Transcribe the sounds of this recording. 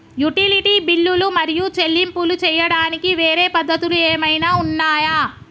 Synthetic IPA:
juʈiliʈiːbilːulumɐɾijut͡ʃe̞lːimpulut͡ʃɛːjɐɽaːnikiʋeːɾeːpɐd̪ːɐt̪ulueːmɐjnaːunːaːja

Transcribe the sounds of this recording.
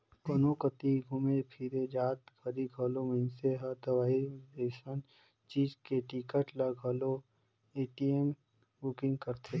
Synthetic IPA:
kənokət̪iɡʱʊmepʰiɾed͡ʒaːt̪bʰʱɐɾiɡʱolomɪnseɦət̪əʋaːideːʃən | t͡ʃiːd͡ʒkeʈikəʈlɐɡʱɐlo | eːʈiem | bukɪ̃ŋɡkəɾt̪ʰe

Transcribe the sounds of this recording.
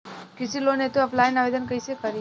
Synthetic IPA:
kit͡ʃilonet̪uəplajnaʋed̪ənkəjsekəɾi

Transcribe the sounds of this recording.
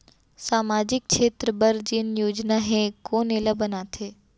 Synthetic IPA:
saːmaːd͡ʒɪk̚ːʃʰeːt̪ɾəbɐɾd͡ʒɪnjoːd͡ʒnaɦɛ̃koːneːləbɐnaːt̪ʰeː

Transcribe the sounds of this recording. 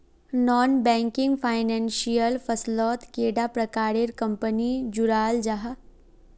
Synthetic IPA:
nɔːnbɛ̃ːŋkɪ̃ŋɡpʰaːɪnɛ̃ːnʃijəlfʰɐslɔːt̪keːɖapɾɐkaːɾeɾkɐ̃mpənid͡ʒʊɾaːld͡ʒaɦa

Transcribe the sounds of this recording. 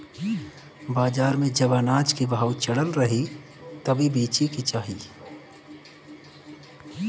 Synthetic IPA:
baːd͡ʒaːɾmẽd͡ʒəbanaːd͡ʒkibaːwt͡ʃɐɽəlɾɐɦi | t̪ɐbʱibiːt͡ʃikit͡ʃaːɦi

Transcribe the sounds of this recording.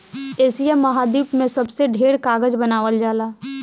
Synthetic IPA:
eːsijɛmːɐɦaːd̪iːpmẽsəbseɖʱeːɽkaːɡəd͡ʒbənaːʋəld͡ʒaːlaː

